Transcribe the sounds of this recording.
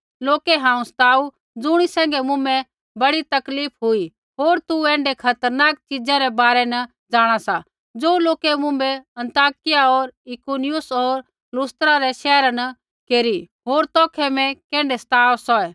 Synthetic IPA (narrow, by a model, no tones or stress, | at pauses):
loːkeɦãːũst̪aːu | d͡zʊɽ̃isɛ̃ːŋɡɛmʊ̃mbɛ | bɐɽit̪ɐkliːpʰɦʊi | ɦoːɾt̪uɛ̃ːɳɖɛkʰɐt̪əɾnaːk̚t͡ʃid͡zãɾɛbaːɾɛnɐ | d͡zaːɽ̃asa | d͡zoːloːkemʊ̃mbɛɐ̃nt̪aːkɪjaɔːɾɪkuːnɪjʊsɔːɾ | lʊst̪ɾaɾɛʃɛːɾanɐ | keːɾi | ɦoːɾt̪ɔːkʰɛmɛ̃kɛ̃ːɳɖɛsɐ̥t̪aːsɔɛː